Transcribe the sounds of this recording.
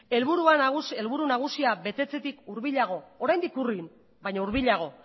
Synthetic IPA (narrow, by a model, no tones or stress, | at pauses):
e̞lβuɾuaɣuelβuɾunaɣ̞usiaβe̞t̪e̞t͡se̞t̪ikuɾβiʎaɣ̞o̞oɾajnd̪ikurin | bajɲauɾβiʎaɣ̞o̞